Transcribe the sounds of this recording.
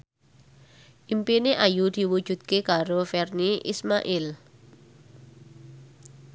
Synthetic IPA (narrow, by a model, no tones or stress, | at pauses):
ʔimpineʔajud̪̥i̤wud̥ʒ̥ṳd̪̚kekaɾofɛrniʔḭsmaʔɪl